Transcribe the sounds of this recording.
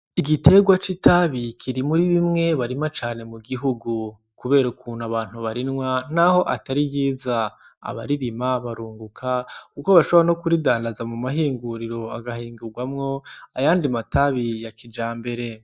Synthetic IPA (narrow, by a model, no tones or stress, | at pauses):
iɡite̞ɡwat͡ʃitaβikʰiɾimuɾiβimŋe̞βaɾimat͡ʃaːne̞muɡiɦuɡu | kuβe̞ːɾaukʰuːnaβaːn̥huβaɾinŋwanaho̞ʔa̰taɾibɡiːza | a̰βa̰ɾiɾimaβaɾuːŋɡukʰakukoβaʃoβano̞kuɾidaːndazamumaɦiːŋɡuɾiɾo̞aɡahiːŋɡuɡwamŋo̞ajaːndimataβijakid͡ʒaːmbe̞ɾe̞